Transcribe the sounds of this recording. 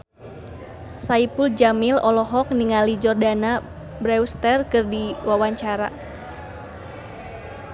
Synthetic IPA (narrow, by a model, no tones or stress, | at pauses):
saipuld͡ʒamilɔlɔɦɔk̚niŋalid͡ʒɔrdana | bɾɛwst̪ɛrkɨrdiwawaɲt͡ʃaɾa̰